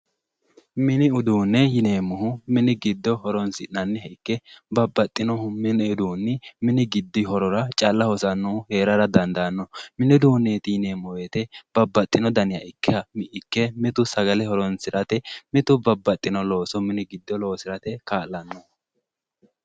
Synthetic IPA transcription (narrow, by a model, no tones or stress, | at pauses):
mɪnɪʊd̪uːnːɛjɪneːmːʊɦʊmɪnɪɡɪd̪ːɔhɔɾɔnsɪʔːɐnːɛhɛɪkːɛbɐbːɐt̪ʼːɪnɔhʊmmɪnɛʊd̪uːnːɪmɪnɪɡɪd̪ːɪhɔɾɔɾɐt͡ʃʼɐlːɐhɔsɐnːuːhe̞ːɾɐɾɐd̪ɐnd̪ɐnːɔmɪnɪd̪uːnːeːt̪ɪjɪne̞ːmːɔweːt̪ɛb̥ɐbːɐt̪ʼːɪnɔd̪ɐnɪjɐɪkːɛɐmɪʔɪkːɛmɪt̪ʊsɐɡɐlɛhɔɾɔnsɪɾɐt̪ɛmɪt̪ʊbɐbːɐt̪ʼːɪnɔlo̞ːsɔmɪnɪɡɪd̪ːɔlo̞ːsɪɾɐt̪ɛkaːlːɐnːɔ